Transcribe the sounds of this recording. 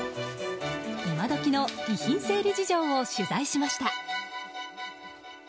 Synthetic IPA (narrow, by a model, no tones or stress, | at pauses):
imad̪o̞kʲino̞ɡʲiçĩɰ̃se̞ːɾʲɯ̟d͡ʑiʑo̞ːoɕɨzaiɕimaɕi̥t̪a